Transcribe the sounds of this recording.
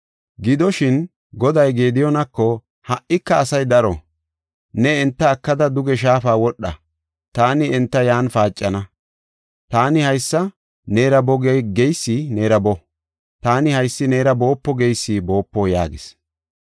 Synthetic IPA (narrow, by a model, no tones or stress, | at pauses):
ɡɪd̪ɔʃɪn | ɡɔd̪ɐjɡeːd̪ɪjɔnɐkːɔ | hɐʔɪkːɐːsɐjd̪ɐɾɔ | nɛɛnt̪ːɐːkːɐd̪ɐd̪ʊɡɛʃ̬aːfaːwɔɗːɐ̰ | t̪aːnɪɛnt̪ːɐjaːnfaːt͡ʃʼːɐnɐ | t̪aːnɪhɐjsːɐ | neːɾɐbɔɡɛɡɛjsːɪne̞ːɾɐbɔ | t̪aːnɪhɐjsːɪneːɾɐbo̞ːpːɔɡɛjsːɪbo̞ːpːɔːja̰ːɡɪs